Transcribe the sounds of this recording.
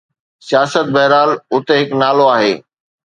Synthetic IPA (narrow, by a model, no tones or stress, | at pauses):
sijaːsət̪̚bɐɦɾaːlʊt̪eɦɪknaːloaːɦeː